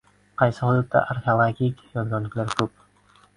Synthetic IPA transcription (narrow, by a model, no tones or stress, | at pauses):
qʰɑjsɪhʊd̪ʊt̪̚ːa̰ʔaɾkʰʲeolˠaɡʲikʲjɒd̪ɡʲɒnlɪkʲlaɾkʰɵp̚